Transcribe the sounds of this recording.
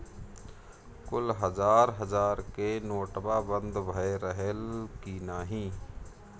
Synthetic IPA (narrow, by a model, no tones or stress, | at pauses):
kʊlɦəzaːɾɦəzaːɾkenoːʈbaːbə̃nd̪bʱəeɾəɦəlkinaːɦĩː